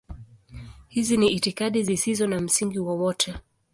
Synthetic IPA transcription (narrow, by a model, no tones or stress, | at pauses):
hiziniʔːtikaɗizisizɔnam̩siŋɡiwɔwɔtʰɛ